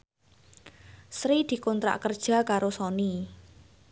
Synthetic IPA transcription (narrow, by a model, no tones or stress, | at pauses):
sɾid̪̥i̤kɔnt̪ɾa̰ʔkərd̥ʒ̥a̤kaɾosɔni